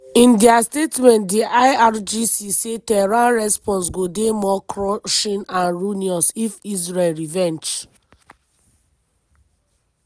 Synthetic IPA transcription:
ĩndiastetmɛ̃ntdiʔaaɹd͡ʒisisetɛɹãɹɛspɔ̃ns̬ɡodemɔkɹɔʃĩnãnɹuniɔsifis̬ɹɛlɹivɛ̃nd͡ʒ

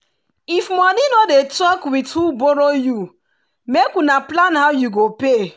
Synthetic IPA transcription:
ifmɔninodetɔkwithuboɾoju | mekũnaplanhaʊjuɡope

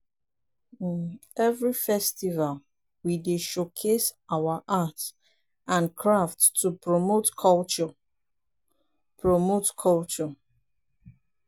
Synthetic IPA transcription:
nɛvɹifɛstival | wideʃokʰesawaʔat | ʔãnkʰɹaftʰːupʰɹomotkʰɔlt͡ʃɔ | pʰɹomotkʰɔlt͡ʃɔ

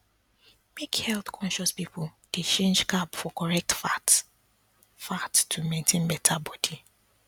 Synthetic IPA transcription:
mekhɛlθkʰɔ̃nʃɔspipʊd̥et͡ʃẽnd͡ʒkabfɔkɔɹɛk̚tfat | fattʰːumẽntʰẽnbɛtʰabɔdi

